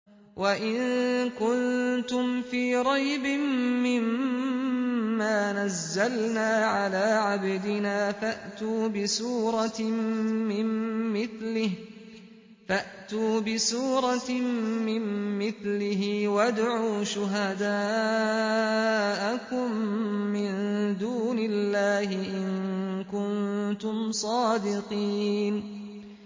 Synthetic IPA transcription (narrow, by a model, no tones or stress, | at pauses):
wʔaʔɪnkʊnt̪ʊmfiːɾˤɑjbɪmːɪm | aːnazːalnaːʕalaːʕabd̪ɪnaːfaʔt̪uːbɪsuːɾˤɑ | mɪmːɪθlɪh | faʔt̪uːbɪsuːɾˤɑmɪmːɪθlɪɦɪwad̪ʕuːʃʊɦad̪aː | ʔakʊmːɪnd̪uːnɪlːaːhɪʔɪŋŋkʊnt̪ʊmsˤɑːd̪ɪqiːn